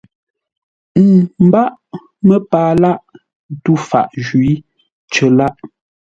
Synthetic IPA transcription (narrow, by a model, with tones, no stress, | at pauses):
m̩˨m̩˨ba˦ʔ | mə˦paː˨la˦ʔ | tu˦˨fa̰˨ʔʒwi˨˦ | t͡ʃə˨˦la˦ʔ